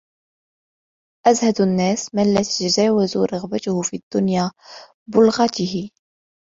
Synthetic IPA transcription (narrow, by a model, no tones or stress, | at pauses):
ʔæzhad̪ʊnːæːsmənlæt̪ət̪zaːwazuɾˤɑɣbat̪ʊhʊfid̪̥ːʊnja | bʊlɣɑt̪ɪhi